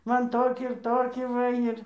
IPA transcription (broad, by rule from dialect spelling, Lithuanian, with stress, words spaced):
ˈmɐn ˈtoːkʲiː ɪr ˈtoːkʲiː ˈʋɐ ɪr